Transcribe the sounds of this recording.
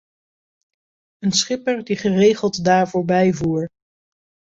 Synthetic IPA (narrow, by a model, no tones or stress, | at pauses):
ənsχɪpəɹdiχərejχəlˠtdaːɹvʊːɹbɛjvuːɹ